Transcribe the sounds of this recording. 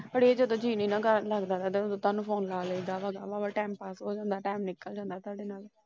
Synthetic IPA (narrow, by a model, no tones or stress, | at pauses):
pəɽiːed͡ʒəd̪õːd͡ʒiːniːnãːkəɾləɡd̪aːt̪aːt̪ẽːod̪õːt̪aːnũːpʰoːnlaːləiɡ̪aːʋaːɡaːʋaːʋaːʈɛːmpaːsɦoːd͡ʒãːnd̪aːʈaːmnɪkːəld͡ʒãːnd̪aːt̪ʊaːɖeːnaːl